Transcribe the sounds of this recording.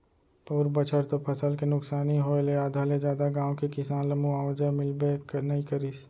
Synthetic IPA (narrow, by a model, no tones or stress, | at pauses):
puːɾbət͡ʃʰəɾt̪opʰɐsəlkenʊksaːniɦoːeleaːd̪ʱaːled͡ʒjaːd̪aɡãːõkekɪsaːnləmũaːʋd͡ʒəmɪlbeknɐĩkəɾiːs